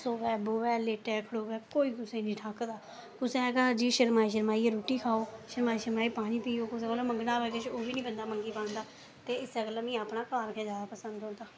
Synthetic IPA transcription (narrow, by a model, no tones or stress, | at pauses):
soːʋɛːboːʋɛːleːʈɛːkʰəɽoːʋɛːkoːiːkʊsẽːnĩːʈʰaːkd̪aː | kʊsɛ̃ːkaːd͡ʒiːʃəɾmaːiːʃəɾmaːiːeɾuːʈiːkʰaːoːʃəɾmaːiːʃəɾmaːiːpaːniːpiːoːkʊseːɡəlãːməŋɡnaːʋɛːkɪt͡ʃoːʋiːnĩːbənd̪aːməŋɡiːpəːɳd̪aː | t̪eːɪseɡəlaːmĩːaːpnãːkaːɾkʰɛːd͡ʒjaːd̪aːpəsənd̪ɦõnd̪aː